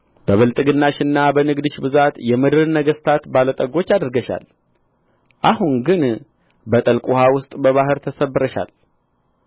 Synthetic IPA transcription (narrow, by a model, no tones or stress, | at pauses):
bəβɨlt̪ʼɨɡɨnːaʃɨnːabənɨɡd̪ɨʃbɨzat̪jɛmɨd̪ɨɾnəɡəst̪ʰat̪balət̪ʼəɡo̞t͡ʃːad̪əɾɡəʃa̰l | ʔahuŋɡɨn | bət̪ʼəlkʼuhawʊst̪ʼbəβahɨɾt̪ʰəsəbːɨɾəʃa̰l